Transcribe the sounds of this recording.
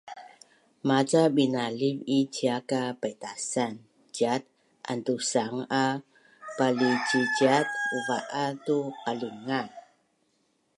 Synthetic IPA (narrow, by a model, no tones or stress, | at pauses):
mat͡sabinalivit͡ɕiakapajtasan | d͡ʒat̚ | ʔa̰ntusaŋa | palit͡ʃid͡ʒatuvaʔatuqaliŋan